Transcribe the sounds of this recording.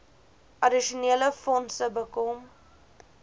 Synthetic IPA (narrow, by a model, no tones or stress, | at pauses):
ʔɐdiʃuniələfɔnsəbəkɔm